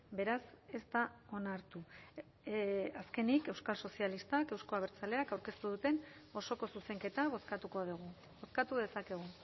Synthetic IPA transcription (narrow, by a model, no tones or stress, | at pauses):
be̞ɾase̞zt̪ao̞naɾt̪u | aske̞nike̞wskalso̞sialist̪ake̞wsko̞aβ̞e̞ɾt͡sale̞akawɾke̞st̪uðut̪e̞no̞so̞ko̞suse̞ŋke̞t̪aβoskat̪uko̞ðuɣu | boskat̪uðe̞sake̞ɣ̞u